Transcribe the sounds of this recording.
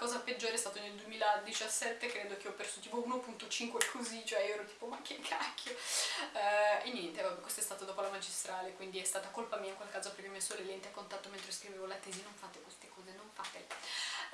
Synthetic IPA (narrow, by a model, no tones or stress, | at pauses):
kɔːzaped͡ʒːoːɾeɛst̪aːt̪oneld̪uemiːlad̪it͡ʃasːɛt̪ːekɾeːd̪ok̟eɔpːersot̪iːpounopunt̪ot͡ʃiŋkwekʰozit͡ʃoɛɛwɾot̪i̥ːpomakːekʰakʰːjoɛenːjɛnt̪epabokwest̪ɛst̪aːt̪od̪ɔːpolamad͡ʒist̪ɾaːlekwind̪iɛst̪aːt̪akolpamiːaiŋkwalkaːzoapɾɛpjomsːolelɛnt̪eakːont̪at̪ːoment̪ɾeskɾiveːvolat̪ɛːzinoɱfat̪ekwest̪ekɔːzenoɱfaːt̪e